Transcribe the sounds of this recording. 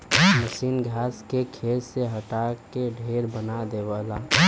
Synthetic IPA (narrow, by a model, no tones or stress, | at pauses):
məʃiːnɡʱaːskekʰelseɦəʈakːeɖʱeːɾbənad̪eʋəla